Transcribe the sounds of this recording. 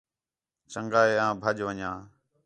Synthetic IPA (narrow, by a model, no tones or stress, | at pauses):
t͡ʃəŋɡaːeːãːbʱəʄʋəɲãː